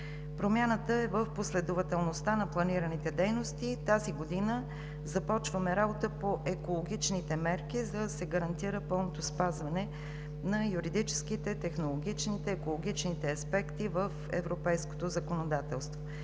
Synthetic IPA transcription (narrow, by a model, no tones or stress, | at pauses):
pɾomʲjanət̪əɛvəfposlɛd̪ovɐt̪ɛlˠnost̪anɐplˠɐniɾənit̪ɛd̪ɛjnost̪it̪aziɡod̪inə | zɐpɔt͡ʃvəmɛɾabot̪əpoʔɛkolˠoɡʲit͡ʃnit̪ɛmɛɾk̟izəd̪sɛɡəɾɐnt̪iɾəpɤlˠnot̪ospazvɐnɛ | nɐjuɾid̪it͡ʃɛ̥skit̪ɛt̪ɛxnolˠoɡʲit͡ʃnit̪ɛːkolˠoɡ̟it͡ʃnit̪ɛɐspɛkt̪ivəfɛ̰vɾopɛjsko̥t̪ozəkonod̪at̪ɛlˠst̪vo